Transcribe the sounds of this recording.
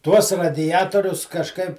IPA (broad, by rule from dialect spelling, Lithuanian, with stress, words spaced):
ˈtuɔs rɐdʲɪˈjæːtoːrʲʊs kɐʃˈkɐɪp